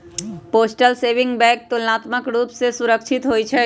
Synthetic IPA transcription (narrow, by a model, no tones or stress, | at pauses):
poːsʈəlseːʋɪ̃ŋɡbɛ̃ːk̚t̪ulnaːt̪məkɾuːpsesuɾəkt͡ʃʰɪt̪ɦojt͡ʃʰɛ